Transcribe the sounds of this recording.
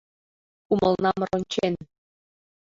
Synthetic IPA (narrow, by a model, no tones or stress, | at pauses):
umə̆lˠnɑmronʲt͡ɕen